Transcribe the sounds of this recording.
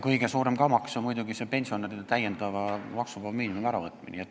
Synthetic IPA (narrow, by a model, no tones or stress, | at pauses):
kɤjɡ̥e̞suːɾe̞mkɑmɑksomujd̪uɡisepe̞nʲsio̞nerid̪̥et̪æjːend̪̥ɑvɑmɑksubɑlmiːnimumæɾɑvɤt̪ˑmḭnʲiet̪ːˑ